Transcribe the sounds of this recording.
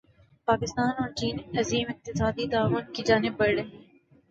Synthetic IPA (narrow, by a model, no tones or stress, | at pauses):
paːkɪst̪aːnɔːɾt͡ʃiːnɐziːmɪq̚t̪ɪsaːd̪it̪aːʋʊnkid͡ʒaːnɪbːɐɽɽe